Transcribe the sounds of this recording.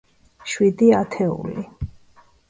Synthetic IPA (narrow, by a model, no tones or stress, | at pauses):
ʃwid̪iat̪ʰɛṵli